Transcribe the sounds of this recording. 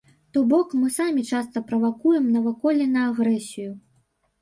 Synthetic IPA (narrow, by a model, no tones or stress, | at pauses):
t̪ɔbɔkmɨsamʲit͡ʂast̪ɐpɾɐvakujɛmnɐvakɔlʲɛnɐːɣɾɛsʲiju